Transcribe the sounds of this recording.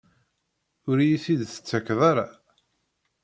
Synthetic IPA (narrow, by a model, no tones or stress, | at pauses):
ʊɾjisid̪θə̥t͡sːækːðˤaɾa